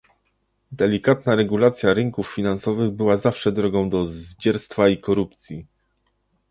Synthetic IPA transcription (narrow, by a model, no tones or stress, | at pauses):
d̪ɛlʲikat̪̚naɾɛɡulat̪sʲjaɾɘŋkufːʲinansɔvɘɣbɘwazafʂɛd̪ɾɔɡɔ̃w̃d̪ɔzd͡ʑɛɾst̪faikɔɾup̚t̪sʲji